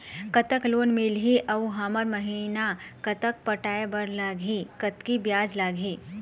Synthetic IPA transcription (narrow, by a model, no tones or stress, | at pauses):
kɐt̪əkloːnmilɦiʔɐuɦaːməɾmɐɦinakɐt̪ək̚pəʈaːebɐɾlaːɡʱikɐt̪kibjaːd͡ʒlaːɡʱiː